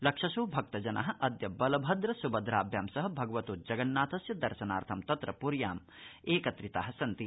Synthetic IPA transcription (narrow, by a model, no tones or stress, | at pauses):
lɐkʂɐsubʱɐk̚t̪ɐd͡ʒɐnɐ̰ɦɐ̆ʔɐd̪jɐbɐlɐbʱɐd̪ɾɐsubɐd̪ɾaːbjaːmsɐɦɐbʱɐɡɐʋɐt̪uːd͡ʒɐɡɐnːaːt̪ɐsjɐd̪ɐɾʃɐnaːɾt̪ʰɐmt̪ɐt̪ɾɐpuɾjaːm | eːkɐt̪ɾit̪a̰ːɦɐ̆sɐnt̪i